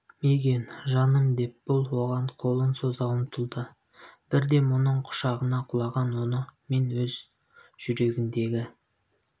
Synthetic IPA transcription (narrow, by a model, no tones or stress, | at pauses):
meɡʲe̞nʒɑnəmd̪e̞p̚b̥ʊlˠwo̞ʁɑɴqʰo̞lˠənso̞zɑwəmt̪ʰəlˠd̪ə | b̥ɪɾd̪e̞mʊnəɴqʰʊ̥ʃɑʁənɑqʰʊlˠɑʁɑnwo̞nəme̞nwɵz | ʒ̥ʏɾe̞ɡʲɪnd̪e̞ɡʲɪ